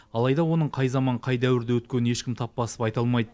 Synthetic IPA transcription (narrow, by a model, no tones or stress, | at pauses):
ɑlˠɑjd̪ɑwo̞nəɴqʰɑjzɑmɑɴqʰɑjd̪æwɪɾd̪ewɵt̪̚kʲe̞nəne̞ʃkʲɪmt̪ʰɑpːɑsə̥pɑjt̪ɑlˠmɑjd̪ə